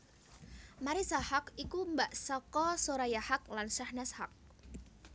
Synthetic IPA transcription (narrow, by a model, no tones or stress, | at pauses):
maɾisahakikumbaʔsɔkɔsoɾajahak̚lanʃahnashak̚